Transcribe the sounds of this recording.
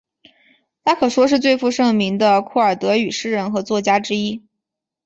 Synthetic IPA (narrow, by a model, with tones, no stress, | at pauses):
t̪ʰa˥kʰɤ˨˩ʂwɔ˥ʂ̬ɻ̩˥˧t͡swe˥˧ɪfu˥˧ʂɤ˥˩ŋmi˧˥ŋd̪ə˧kʰu˥˩ə˞˨˩t̪ɤ˧˥y˨˩ʂɻ̩˥ɻə˧˥nxɤ˧˥t͡swɔ˥˩t͡ɕja˥ʈ͡ʂɻ̩˥i˥